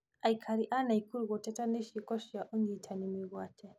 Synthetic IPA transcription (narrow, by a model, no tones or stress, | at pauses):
aikʰaɾiʔanaikuɾɣɔtɛtaniʃikɔʃjaʔuŋɡitʰanimiɣwatʰɛ